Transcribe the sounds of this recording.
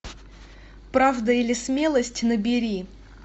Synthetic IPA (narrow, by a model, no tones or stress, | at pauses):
pɾavd̪əilʲɪsmʲelˠəsʲtʲnəbʲɪɾʲi